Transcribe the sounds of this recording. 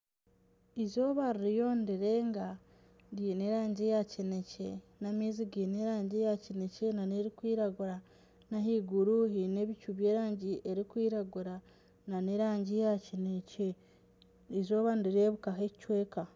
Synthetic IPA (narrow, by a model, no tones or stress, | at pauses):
izo̞ːβaɾiɾijo̞ndiɾeːŋɡa | ndiːne̞ɾaːɲɟejacine̞cenameziɡiːneɾaːɲɟejacine̞ce̞naneɾikwiːɾaɡuɾa | naɦiɡuɾuɦine̞βicuβje̞ːɾaːɲɟiʔe̞ɾikwiːɾaɡuɾa | naneɾaːɲɟijacinece | izo̞ːβandiɾe̞βukaɦecicwe̞ːka